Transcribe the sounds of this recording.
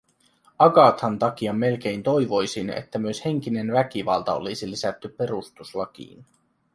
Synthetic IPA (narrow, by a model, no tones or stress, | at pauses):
ɑɡɑt̪hɑnt̪ɑk̟iɑmːe̞lk̟e̞jnt̪o̞jʋo̞jsinḛt̪ːæmyøshe̞ŋ̟k̟ine̞nʋæk̟iʋɑlt̪ɑo̰lisilisæt̪ːypːe̞ɾust̪uslɑk̟ḭːn